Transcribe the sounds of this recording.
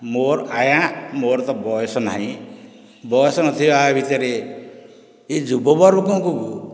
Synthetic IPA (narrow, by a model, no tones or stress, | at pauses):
moɾajãmoɾt̪ɔbɔɔsɔnaɦĩ | bɔjɔsɔnɔt̪ʰijɔabʱit̪ɔɾe | ed͡ʒubɔbɔɾbɔkɔ̃kuɡu